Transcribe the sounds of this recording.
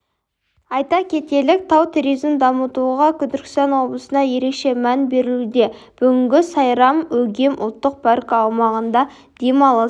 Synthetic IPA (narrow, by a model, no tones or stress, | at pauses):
ɑjt̪ɑkʲʰe̞t̪e̞lɪk̚t̪ʰɑwt̪ʰuɾijzmd̪ɑmət̪uʁɑkʲʰʏd̪ɪɾkʲɪ̥st̪ɑnwo̞blˠəsənɑje̞ɾe̞kʃe̞mænbe̞ɾɪlud̪e̞ | b̥ʏɡʲɪŋɡʲɪsɑjɾɑmɵɡʲe̞mʔʊ̰lˠt̪ːəq̚pʰɑɾkəːwmɑʁənd̪ɑ | d̪̥e̞mɑlˠɑ